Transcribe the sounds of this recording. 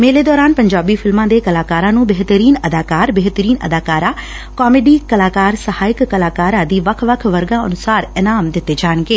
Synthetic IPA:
meːleːd̪ɔːɾaːnpəɲd͡ʒaːbiːpʰɪlmãːd̪eːkəlaːkaːɾãːnũːbeɦt̪əɾiːnəd̪aːkaːɾbeːɦt̪əɾiːnəd̪aːkaːɾãː | kɔːmeːɖiːkəlaːkaːɾsəhaːɪkːəlaːkaːɾãːd̪iːʋəkʰʋəkʰʋəɾɡãːənʊsaːɾɪnaːmd̪ɪt̪ːeːd͡ʒaːɳ̃ɡeː

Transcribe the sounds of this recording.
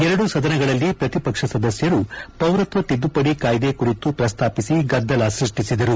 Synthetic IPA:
ɛɾɐɽusɐd̪ɐnɐɡɐɭɐlːipɾɐt̪ipɐkʂɐsɐd̪ɐsjɐɾupɐwɾɐt̪ʋɐt̪id̪ːupɐɽikaːjd̪ekuɾit̪upɾɐst̪ʰaːpisiɡɐd̪ːɐlasɾiʂʈisid̪ɐɾu

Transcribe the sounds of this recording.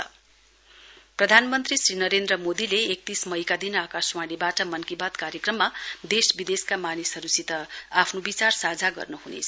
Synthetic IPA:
ʌ | prʌd̪ʱanmʌnt̪risrinʌɾend̪rʌmod̪ileːk̚t̪ismʌjkad̪inakaswaɽibaʈʌmʌnkibat̪kaɾjekrʌmːad̪esbid̪eskamanisʌɾusit̪ʌapʰnobit͡sarsad͡zʱaɡʌ̰rnuɦunḛt͡sʰʌ

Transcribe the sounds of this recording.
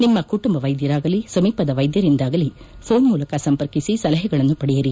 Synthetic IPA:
nimːɐkuʈumbɐʋɐjd̪jɐɾaːɡɐlisɐmiːpɐd̪ɐʋɐjd̪jɐɾind̪aːɡɐli | foːnmuːlɐkːɐsɐmpɐɾkisisɐlɐɦɐɡɐɭɐnːupɐɽɛjɐɾi

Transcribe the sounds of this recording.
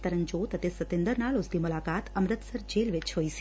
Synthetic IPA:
t̪əɾənd͡ʒot̪ət̪esət̪end̪əɾnalost̪imʊlakat̪əmɾət̪səɾd͡ʒelʋet͡ʃʰɦojs

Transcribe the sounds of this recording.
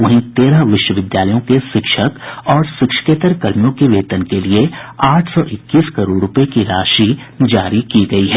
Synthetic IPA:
ʋɐɦĩt̪eːɾaɦʋɪʃwəʋɪd̪jaːləjõkeʃɪkʃəkɔːɾsɪkʃə̥keːt̪əɾkɐɾmijõkeʋeːt̪ənkelieaːʈʰsɔːʔɪkːiːskɐɾoːɖɾʊpjekiɾaːʃi | d͡ʒaːɾikiɡɐiɦɛː

